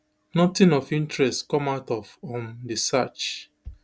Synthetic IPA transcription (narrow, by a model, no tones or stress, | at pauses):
nɔtĩnɔfĩntɹɛstkɔ̃maʊtɔfɔ̃ndisat͡ʃ